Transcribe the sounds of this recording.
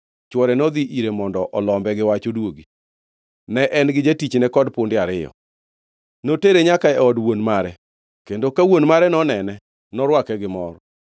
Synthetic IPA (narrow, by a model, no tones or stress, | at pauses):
t͡ʃwɔɾɛnɔd̪iʔiɾemɔndɔʔɔlɔmbɛɡɪwat͡ʃodwoɡi | nɛʔɛnɡɪd͡ʒetit͡ʃnɛkɔdpondɪaɾɪjɔ̰ | noteɾeɲakaɛɔdwonmaɾɛ | kendokawonmaɾɛnɔnɛnɛ | nɔɾwakɛɡɪmɔɾɔ